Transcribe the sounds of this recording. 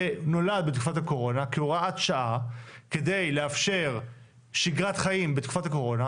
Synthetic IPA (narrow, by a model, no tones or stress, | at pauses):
eno̞lad̪̚bet̪ku̥fathako̞ʁo̞nakeuʁaat̪ʃaʔakede̞jleafʃe̞ʁ | ʃiɡʁatχajimbet̪ku̥fatako̞ʁo̞na